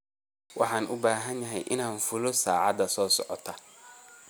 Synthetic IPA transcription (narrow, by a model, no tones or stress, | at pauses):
wʔɑħaːnʔʊbaːɦɐnjɐɦɛ̰jʔɪnaːnfʊlɔsaːʕɑ̰d̪ɐsɔːsɔ̰ʕɔt̪ʰɐ